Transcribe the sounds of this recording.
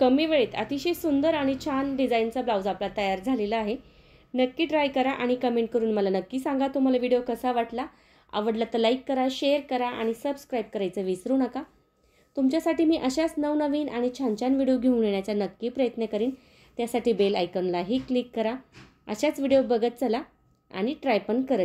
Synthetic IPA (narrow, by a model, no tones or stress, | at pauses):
kəmiːʋeɭeːt̪a̰t̪iɕisund̪əɾaɽ̃it͡ɕʰanɖid͡zaint͡səblawd͡zaplat̪əjaɾd͡zʱaleləaɦe | nəkːiːɖɾajkəɾaʔaɽ̃ikəmeɳʈ̚kəɾuːnməlanəkːiːsãŋɡat̪um̤alaʋiɽijokəsaʋaʈla | ə̰ʋəɽlat̪əlajkːəɾaɕeəɾkəɾaʔa̰ɽ̃isəbskɾajb̚kəɾajt͡səːʋisɾuːnəka | t̪umt͡ɕjasaʈiːmiːʔəɕat͡snəʋnəʋiːnʔaɽ̃it͡ɕʰãɲt͡ɕanʋiɽijoɡʱeũleɳjat͡ɕjanəkːiːpɾəjət̪nekəɾiːn | t̪jasaʈiːbelajkənlaɦiːklikːəɾa | ə̰ɕat͡sʋiɽijobəɡət̪̚t͡sala | a̰ɽ̃iʈɾajpəɳkəɾət̪